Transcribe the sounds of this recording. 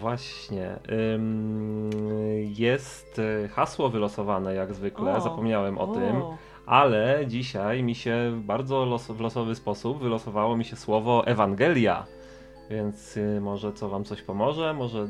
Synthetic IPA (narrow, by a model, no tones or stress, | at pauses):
vwaɕɲɛ̰m | jɛst̪xaswɔvɘlɔsɔvanɛjaɡzvɘklɛzapɔmɲawɛmʔɔ̰t̪ɪm | ʔalɛd͡ʑiɕajmʲiɕɛbaɾd̪zɔlɔsvlɔsɔvɘspɔsubvɘlɔsɔvawɔmʲiɕɛswɔvɔʔɛvaŋɡɛlʲja̰ | vʲjɛnt̪smɔʐɛt̪ɔvamt̪ɔɕpɔmɔʐɛmɔʐɛ